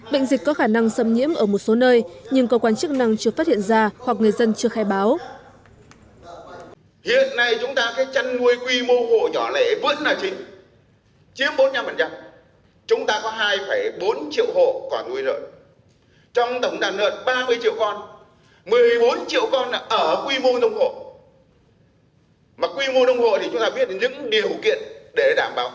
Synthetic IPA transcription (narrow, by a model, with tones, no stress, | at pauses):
ɓḛ˧˨ŋ̟zi˨˩k̟kɔ˨˦xaː˧˩na˧ŋsə˧mɲḭ˧˥əmʔəː˧˩mo˨˩t̚so˨˦nəː˧jɲɨ˧ŋkə˧wkwaː˧nt͡ɕɨ˦˥k̚na˧ŋt͡ɕɨ˧əfaː˦˥t̚hḭ˧˨ə˨nzaː˧hwa˨˩k̚ŋɨ˨˩əjzə˧nt͡ɕɨ˧əxaː˧jɓaː˨˦w | hḭ˧˨ənːa˧jt͡ɕʊ˨˦ŋ͡mt̪aː˧kaː˨˦jt͡ɕa˧nːu˧əjkwi˧mo˧who̰˧˨ɲɔ˧˩lɛ̰˧˩vɨ˧˥ənlaː˨˩t͡ɕï˨˦ŋ̟ | t͡ɕi˨˦əmɓo˨˦t̚ɲa˧mfə˨˩nt͡ɕa˧m | t͡ɕʊ˨˦ŋ͡mt̪aː˧kɔ˨˦ɦaː˧jfəː˧˩jɓo˨˦nt͡ɕḭ˧˨əwho̰˧˨kɔ˨˩nnu˧əjzə̰ː˧˨˩j | t͡ɕɔ˧wŋ͡mt̪ə˧˩wŋ͡mɗaː˨˩nːə̰ː˧˨t̚ɓaː˧mɨ˧əjt͡ɕḭ˧˨əwkɔ˧n | mɨ˨˩ə˩əjɓo˨˦nt͡ɕḭ˧˨əwkɔ˧nʔəː˧˩kwi˧mo˧nə˧wŋ͡mho̰˧˨ | maː˨˩kwi˧mo˧nə˧wŋ͡mho̰˧˨t̪ʰi˨˩t͡ɕʊ˨˦ŋ͡mt̪aː˧ɓi˦˥ət̚ɲɨ̰˧˥ŋɗi˨˩ə˩wkḭ˧˨ənɗe˧˩ɗaː˧˩mɓaː˨˦w